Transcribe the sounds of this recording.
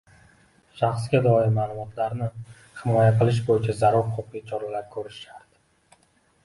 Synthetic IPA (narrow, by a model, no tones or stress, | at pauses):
ʃaχsɡʲad̪ɒɪmaːlˠʊmɒt̪ʰlaɾnɪ | hɪmɒjaqɨlˠɪʃ̬bojɪt͡ʃʰazaɾuɾqʰopit͡ʃʰɒɾalaɾkʲʰɵɾɪʃaɾd̪̥ɪ